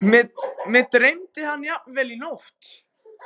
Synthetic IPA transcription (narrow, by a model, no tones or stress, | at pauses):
mɛmɛðt̪ɾejmt̪ɪhanːjap̚nvɛːlinowht̪